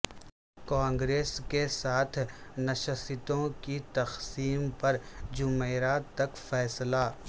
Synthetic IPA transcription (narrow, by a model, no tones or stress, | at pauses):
kãːŋɡɾeːskesaːt̪ʰnɐʃəsɪt̪õkit̪ɐxsiːmpɐɾd͡ʒʊmeːɾaːt̪ːɐkfɛːsla